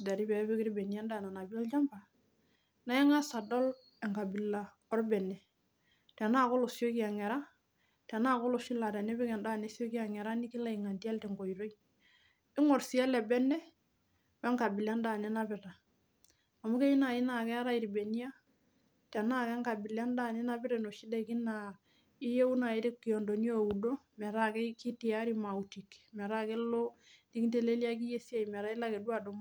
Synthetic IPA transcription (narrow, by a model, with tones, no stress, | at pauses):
da˨ɾi˦bɛ˨˦bi˦ki˦ɾi˦be˨ni˦a˦nda˦˨na˨na˨bi˦lɔ˦ld͡ʒa˦mba˨ | na˨ɛ˦ŋa˦sa˨dɔ˦l | ɛ˨ŋɡa˨bi˨la˨ | ɔ˦ɾbɛ˨nɛ˨ | tɛ˨na˦˨ko˦lo˨si˦o˦ki˦a˨ŋɛ˨ɾa˦ | tɛ˨na˦˨kɔ˦lɔ˨si˦la˨tɛ˨nɛ˦bɪ˦kɛ˨nda˦˨ne˦si˦o˦ki˦a˨ŋɛ˨ɾa˦ni˦ki˦la˦˨i˨ŋa˨ndi˦ɛ˦ltɛ˨ŋɡo˨i˨ɾo˦i | ɪ˦ŋɔ˨ɾsi˨a˦lɛ˨bɛ˦nːɛ˦ | wɛ˦ŋka˨bi˨la˦nda˨nɛ˦na˦pɪ˨ta˨ | a˨mu˦ke˦i˦na˨i˦na˨kɛ˦a˦ɾa˦i˨ɾi˨be˨ni˦a˦ | tɛ˨na˦kɛ˦ŋka˨bɪ˨la˦nda˦˨nɛ˦na˦pɪ˦ɾe˨no˨ʃi˦de˦ki˦na˨ | ni˦je˦u˦na˨i˨˦ɾi˦ki˨ɔ˨ndo˨ni˦o˦˨u˨do˦ | mɛ˨ɾa˦ke˦ki˦ti˨a˦ɾi˦ma˨u˨ti˨kmɛ˨ɾa˦ke˦lo˦ni˦ki˦te˦le˦li˦a˦ki˦je˦si˦a˦˨jmɛ˨ɾa˦i˦la˦ke˨dwa˨do˨˦m˦